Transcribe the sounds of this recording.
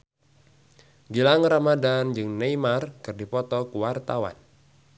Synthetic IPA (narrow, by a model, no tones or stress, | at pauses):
ɡilaŋramadand͡ʒɨŋnejmarkɨrdipɔt̪ɔkuwart̪awa̰n